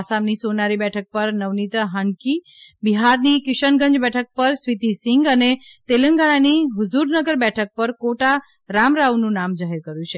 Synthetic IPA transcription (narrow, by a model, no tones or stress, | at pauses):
asamnisonaɾibɛʈʰək̚pəɾnəʋnit̪ɦəɳki | biɦaɾnikɪʃəɳɡə̃ɲd͡ʒbɛʈʰək̚pəɾsʋit̪isɪŋɡənet̪eləŋɡaɭ̃aniɦʊzuɾnəɡəɾbɛʈʰək̚pəɾkoʈa | ɾamɾaʋnũnamd͡ʒaɦeɾkəɾjũt͡ʃʰe